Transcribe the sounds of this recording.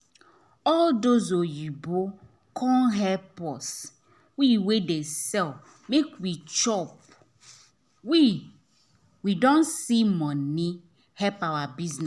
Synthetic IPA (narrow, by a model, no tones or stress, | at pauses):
ɔldozojibo | kʰɔ̃nɦɛlpɔs | wiwedesɛl | mekwit͡ʃɔp | wi | widɔ̃nsimɔ̃ni | hɛpawabiznɛ